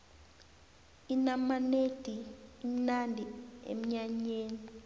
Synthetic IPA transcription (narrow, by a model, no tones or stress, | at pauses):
inamaned̥ʱiːm̩nandʱiḛm̩ɲaɲeːni